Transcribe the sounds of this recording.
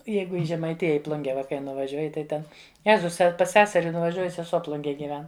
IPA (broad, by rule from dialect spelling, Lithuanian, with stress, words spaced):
ˈjɛɪɡʊ ɪ ʒʲɛmɐɪˈtʲɪjɛ ɪ ˈplˠʊŋʲɡʲɛ ˈʋɐ kɐɪ nʊʋɐˈʒʲuɔjɪ tɐɪ ˈtʲɛn ˈjæːzʊs pɐs ˈsʲæːsʲɛrʲɪ nʊʋɐˈʒʲuɔjʊ sʲɛˈsuɔ ˈplˠʊŋʲɡʲeːj ɡʲiːˈʋʲɛn